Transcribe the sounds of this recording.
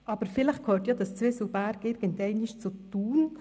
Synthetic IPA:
ʔɑb̥əɾfɪləχkʰøːtjɑd̪ɑst͡sʋɪsəbæɾɡɪɾɡ̥əntɛɪnɪʃt͡sut̪uːn

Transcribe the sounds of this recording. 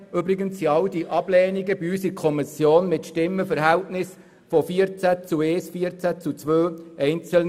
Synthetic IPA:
ʏbɾɪɡəntsiɑlwdiʔɑb̥lɛːniɡəbiyːsikʰɔmɪsjoːnmɪtʃtɪmːəfəɾɦæltnɪs | fɔfiəɾt͡sæt͡suɛːsfiəɾt͡sæt͡sut͡sʋøːɛɪnt͡səln

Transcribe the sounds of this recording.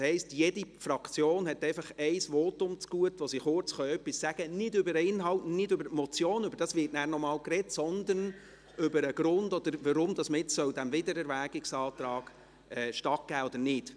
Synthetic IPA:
shɛɪstjɛdifɾɑkt͡sjoːnhɛtɛɪfɑχɛɪsʋɔːtʊmt͡sɡ̥uətʋosiχʊɾt͡sχœœpːissæɡ̥ənɪdʏbəɾəɪnɦɑltnɪdʏbəɾtmɔt͡sjoːnʏbəɾd̥ɑsvʋɪːtnæːrnɔmɑːlkrɛtsɔnd̪ən | ʏbəɾəɡɾʊndɔd̥̪əɾʋəɾʊmd̥̪ɑsmɪɪtt͡ssœwd̥æmvɪdəɾɛɾʋæːɡɪksɑːt̪ɾɑːɡ̥ | ɛːʃtɑt̚ɡ̥æːɔd̥əɾnɪd̥

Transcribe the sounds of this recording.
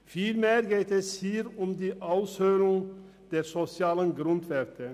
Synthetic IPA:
fiːlmeːɾɡeːt̪ɛshiːɾʊmd̪iːʔaʊshøːɾʊŋ | d̪̥eːɾsɔsɪɑːlənɡɾʊnt̪ʋɛɾt̪ʰə

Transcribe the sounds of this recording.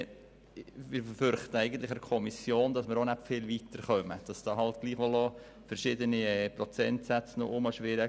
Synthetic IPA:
mɪɾffʏɾχtəæɪɡən̩t̪lɪχəkʰɔmisjoːndɑsməɾonæpfɪlvitəɾχœməd̥ɑsd̥ɑːɦɑltɡ̥liːχʋɔlo | fəɾʃɪːdəniɛprɔt͡sɛntsæt͡sno̰ʔʊmɑʃʋɪɾə

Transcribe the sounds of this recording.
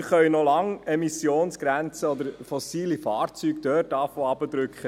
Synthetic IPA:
χœɥnolɑŋɛmisjoːnsɡ̥ɾænt͡səɔd̪əɾfɔsiːlifɑːrt͡syːkd̪œːt̚dɑːfoːɑbəd̪ɾʉkχə

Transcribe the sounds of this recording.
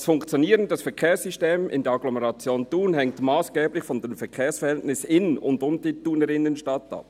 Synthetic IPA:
sfʊŋkt͡sjoniːʁəndɑsfɛɐkʰeːɐsysteːmɪ̰ndeɛɐɑɡ̥lɔmɛʁɑt͡sjoːntuːnɦɛŋtmaːsɡ̥eːblɪçfɔndemfɛɐkʰeːɐsfɛɐʁhɛltnɪsɪnʊ̰ndʊmdituːnəʁɪnənʃtɑtɑ̰p̚

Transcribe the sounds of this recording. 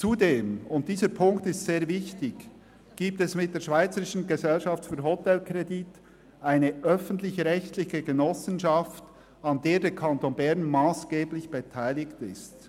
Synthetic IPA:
t͡sudeːmʊnt̚d̥iːzəɾpʰʊŋktɪstseːɐvɪçtɪç | ɡ̥iːp̚tɛsmɪt̚d̥eːɐʃv̥aɪt͡səɾɪʃn̩ɡezɛlʃɑftfyːɦotɛlkʁedit | aɪnəʔœfən̩tlɪçʁɛçtlɪçəɡenɔsənʃɑft | ɑndeːdeːɾkʰɑntoːnbɛɾnmaːsɡ̥eːblɪçb̥etʰaɪlɪktɪ̰st

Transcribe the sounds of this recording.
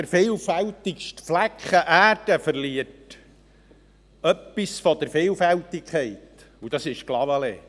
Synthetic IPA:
əɾfeːlfælt̪ikʃtflækχəʔæːd̥əfəɾliət | œpːisfɔd̪əɾfeːlfæltikʰɛɪt̪ | udɑsɪʃklɑvəleː

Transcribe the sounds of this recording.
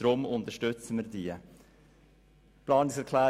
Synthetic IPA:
ɾomʊnt̪əʃtʏt͡səməɾd̪iːə | plɑːnɪŋsɛɾkʰlæː

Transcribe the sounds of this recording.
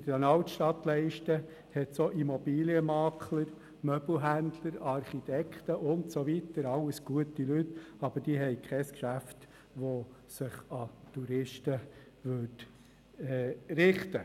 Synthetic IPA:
d̥əɾɛnɑlt̪ʃtɑt̪lɛɪʃtə | hɛt̪soʔimɔbiːliəmɑːkʰləɾ | mœb̥l̩ɦændləɾɑɾχit̪ɛkχt̪əʔʊntsoʋitəɾɑlːəsɡ̥uətilytɑb̥əd̥iəɦɛɪkʰχɛskʃæft | ʋo | sɪχɑt̪uɾɪʃtə | ʋʏt | ɛɾɪχtə

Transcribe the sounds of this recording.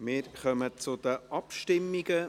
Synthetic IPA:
mɪːɾχœmət͡sʊd̥̪əʔɑpʃtɪmːiɡ̥ə

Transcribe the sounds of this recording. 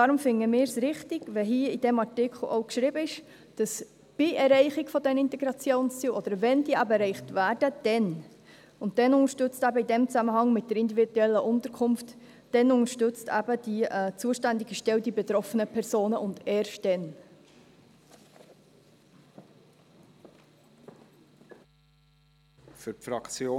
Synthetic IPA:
d̥ɑːɾʊmfɪŋːəmɪːɾsɾɪχtɪɡ̥vɛɦiːəid̥ɛmɑɹtɪkχl̩ˠo̰ʊkʃɾiːbəɪʃ | d̥ɑs | b̥iʔɛrɾɛɪχɪkfɔdɛnɪntɛɡɾɑt͡sjoːnst͡siːlʔɔd̥əɾvɛndiːʔæbəɛɾɛɪχtvæːɾd̥əd̥ɛn | ʊnt̚d̥ɛnʊŋəɾʃtʏt͡stæbəidɛmt͡sæməhɑŋmɪt̚d̥əɾɪndividuɛlːəʔʊnt̪əɾkʰʊmft | d̥ɛnʊŋəʃtʏt͡stʰæ̰bəd̥iɛt͡suəʃtændiɡəʃtɛwdibɛt̪ɾɔfənəpʰɛɾzoːnəʔʊndɛːɾʃt̚d̥ɛn | fyɾfɾɑkt͡sjoː

